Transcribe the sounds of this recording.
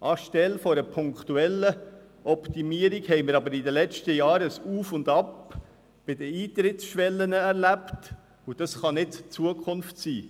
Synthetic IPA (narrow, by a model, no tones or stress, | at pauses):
ʔɑʃtɛlfɔɾəpʰʊŋkt̪uɛlːə | ʔɔpt̪imiːəɾiɡhɛɪməɾɑbəɾid̪əlɛt͡ʃtəjɑːɾəsuːfʊndɑp | b̥ɪdəiːt̪ɾɪtsʃʋɛlːənəɛɾlæpt | ud̥ɑsχɑnɪdt͡suəkʰχʊnftsiː